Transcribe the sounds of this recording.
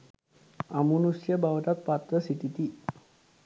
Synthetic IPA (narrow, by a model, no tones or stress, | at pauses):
amunusiabawd̪at̪̚pat̪ɾəsit̪it̪i